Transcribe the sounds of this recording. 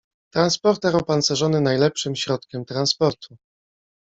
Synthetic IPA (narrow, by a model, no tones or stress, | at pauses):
t̪ɾanspɔɾt̪ɛɾɔwpansɛʐɔnɘnajlɛpʂɘmɕɾɔt̪̚kʲɛmt̪ɾanspɔɾt̪ʰu